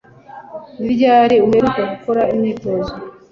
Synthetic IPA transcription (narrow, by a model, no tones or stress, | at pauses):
βiɟaːɾeuɦeɾukaɡukoɾaimeːtozo